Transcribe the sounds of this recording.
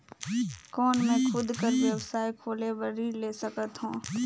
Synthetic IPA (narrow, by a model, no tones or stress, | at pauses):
kɔːnmẽkʰʊd̪ʱkəɾʋjɐwsaːjkʰoːlebəɾileːsəkət̪ɦũː